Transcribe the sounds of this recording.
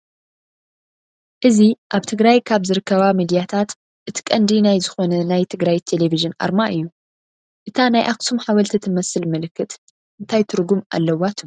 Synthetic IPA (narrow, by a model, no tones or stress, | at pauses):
ʔɨziʔaβt̪ʰɨɡɾajkʰaβzɨɾɨkːɐβamid̪ijat̪ʰat̪ | ʔɨt̪ʰi̥kʼɐnd̪inajzɨxo̞nɐnajt̪ʰɨɡɾajt̪ʰe̞le̞viʒɨnʔa̰ɾmaʔɨjːu | ʔɨt̪ʰanajʔaksumħawɐlt̪ʰit̪ʰɨmɐsɨlmɨlɨkːɨt̪ | ʔɨnt̪ʰajt̪ʰɨɾɡumʔa̰lːɐwat̪ʰum